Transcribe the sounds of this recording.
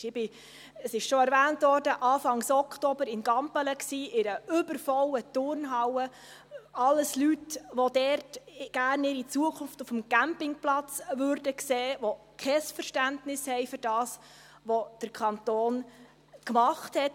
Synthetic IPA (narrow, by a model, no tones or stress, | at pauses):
ɪb̥ɪ | əsɪʃʃoɛɾvæːntʋɔːrdəʔɑːfɑŋsɔkχtobəɾɪnɡɑmpələksiːʔɪɾəʏbəɾfɔlət̪ʊɾnɦɑwə | ɑlːəslytʋod̥ɛɾtɡ̥æːrnɪɾit͡suəkʰʊnftufəmɡæmpɪŋplɑt͡sʋʏɾdəkseːʋo | kʰχɛsfəɾʃtæntnɪshɛɪfʏɾd̥ɑːs | ʋod̥əɾkʰχɑnt̪oːn | kmɑχthɛt